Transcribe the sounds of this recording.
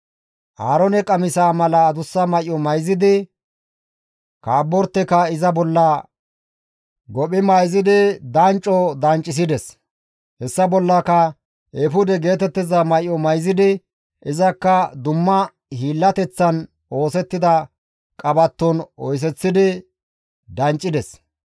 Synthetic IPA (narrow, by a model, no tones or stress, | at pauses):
ʔaːɾɔnɛkʼɐmɪsaːmɐlɐːd̪ʊsːɐmɐjːɔmɐjzɪd̪ɪ | kaːbːɔɾt̪ːɛkɐɪzɐbɔlːɐ | ɡɔpɪmɐjzɪd̪ɪd̪ɐnt͡ʃʼːɔd̪ɐnt͡ʃʼːɪs̬ɪd̪ɛs | hɛsːɐbɔlːɐkɐ | ʔefʊd̪ɛɡe̞ːt̪ɛt̪ːɪzɐmɐjːɔmɐjzɪd̪ɪ | ʔɪzɐkːɐd̪ʊmːɐ | hiːlːɐt̪ɛt͡sːɐn | o̞ːsɛt̪ːɪd̪ɐ | kʼɐbɐt̪ːɔnɔjs̬ɛt͡sːɪd̪ɪ | d̪ɐnt͡ʃʼːɪd̪ɛs